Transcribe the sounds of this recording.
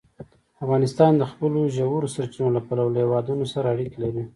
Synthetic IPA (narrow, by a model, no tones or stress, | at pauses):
afɣɑnɪst̪ɑnd̪əxpəloʒawuɾosaɾt͡ʃinolapalawlhewɑd̪unosaɾaːɽikelaɾi